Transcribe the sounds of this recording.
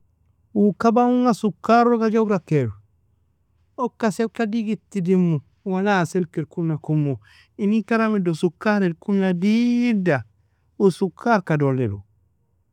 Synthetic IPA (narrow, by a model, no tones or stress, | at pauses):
wukabauŋasukːaɾoɡad͡ʒawɾakeɾu | okːasekadiɡitːidimːu | wanaselkeɾkuakumːo | inikaɾamidosukːaɾeɾkunadida | usukʰːaɾkadolːḛdṵ